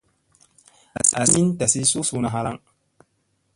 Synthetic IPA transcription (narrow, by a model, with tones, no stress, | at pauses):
a˨sa̰˨si˦nta˨si˦su˦su˦na˨ɦa˦la̰˦ŋ